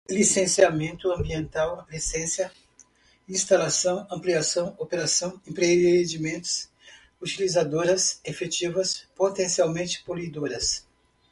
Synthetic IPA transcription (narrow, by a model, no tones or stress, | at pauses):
lisẽsiamẽnt̪ʊɐ̃mbiẽnt̪awlisẽsjɐ | ĩst̪alasɐ̃w̃ɐ̃mpliasɐ̃w̃opeɾasɐ̃w̃ẽpɾed͡ʒimẽnt̪ʊ̥s | ut͡ʃilizad̪oɾɐsefet͡ʃivɐspot̪ẽsiawmẽnt͡ʃɪ̥polid̪oɾɐs